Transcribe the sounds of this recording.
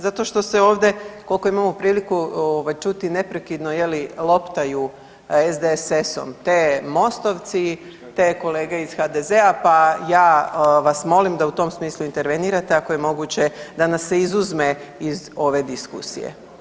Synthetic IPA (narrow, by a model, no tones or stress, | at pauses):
zat̪o̞ʃt̪o̞seo̞ːʋd̪e̞ko̞lko̞imamopɾiːlikuoʋajt͡ʃut̪ine̞pɾe̞kid̪noje̞lilˠo̞pt̪aju | ezd̪eseso̰mt̪eːmo̞st̪o̞ʋt̪si | t̪eko̞le̞ːɡe̞iz̥xad̪ezeapajaːʋasmo̞limd̪aut̪o̞msmiːslˠuint̪e̞ɾʋe̞niːɾat̪e̞akoje̞mo̞ɡut͡ɕe̞d̪anasːeizuzme̞izo̞ʋe̞d̪iskṵsḭjḛ